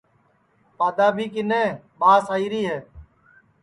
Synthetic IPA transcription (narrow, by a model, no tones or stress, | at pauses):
paːd̪aːbʱiːkɪnẽː | ɓaːsaːiːɾiːɦeː